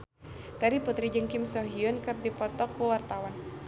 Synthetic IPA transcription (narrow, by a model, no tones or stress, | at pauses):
t̪aɾiput̪ɾid͡ʒəŋkimsɔɦiɔnkɨrdipɔt̪ɔkːuwart̪awan